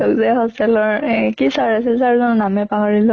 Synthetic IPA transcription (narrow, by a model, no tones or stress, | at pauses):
ɔkzɛhɔstɛlɔɹɛkisaɹasilsaɹuzɔnnamɛpaɦɔɹilɔ